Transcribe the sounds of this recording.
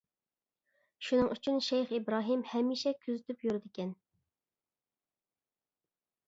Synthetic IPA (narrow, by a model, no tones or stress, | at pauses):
ʃunɨŋyt͡ʃʰynʃɛjχibɾɑːɦɨmhɛmːiʃɛkʲʰyzɪt̪ʰypjyɾɪd̪ɪkʲʰɛn